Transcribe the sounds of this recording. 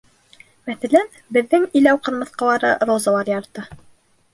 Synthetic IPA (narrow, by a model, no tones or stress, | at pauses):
mæθælæn | bɘ̆ðːɘŋilæwqɤ̆ɾmɤ̆θqɑ̆lˠɑɾɤ̰ɾozɑlˠɑɾjɑɾt̪ɤ